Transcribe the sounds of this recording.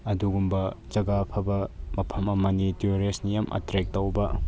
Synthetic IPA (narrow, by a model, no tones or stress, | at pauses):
ɐduɡumbɐd͡ʒɐɡapʰɐbɐmɐpʰɐmɐmɐnitiɾesnijɐmʔɐ̰tɾek̚tɐwbɐ